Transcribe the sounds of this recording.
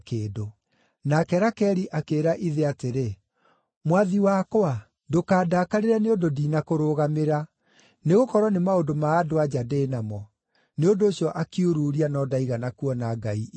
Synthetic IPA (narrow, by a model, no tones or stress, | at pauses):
keːdo | nakɛɾakɛɾiʔakeːɾaʔiðeateɾe | mwaðiwakoa | dokaːdakaɾeɾaneododiːnakoɾoːɣameɾa | neɣokɔɾwɔnemaodomaːdoad͡ʑadeːnamɔ | neondoːɕjɔʔakiuɾuɾianɔdaiɣanakuɔnaɡai